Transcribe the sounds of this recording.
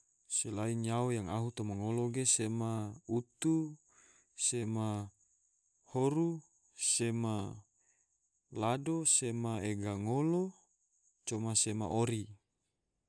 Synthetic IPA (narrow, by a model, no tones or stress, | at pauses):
selainjaojaŋaɦut̪omaŋoloɡesemaut̪u | sema | hoɾu | sema | ladosemaeɡaŋolo | t͡ʃomasema̰ʔoɾi